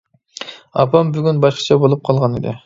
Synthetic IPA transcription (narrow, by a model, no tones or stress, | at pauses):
ɑ̰pɑmbyɡʲynbɑʃqɑ̥t͡ʃʰɑbolˠup̚qʰɑlˠʁɑnḭd̪ɪ̰